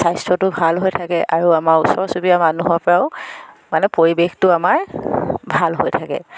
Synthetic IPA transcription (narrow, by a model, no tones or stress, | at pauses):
sajstɹɔtʊbʱalɦojtʰakɛʔaɹuamaɹusɔɹsubijamanuɦapɔɹaʊ | manɛpoɹibextʊamaɹbʱalɦo̰jtʰakɛ̰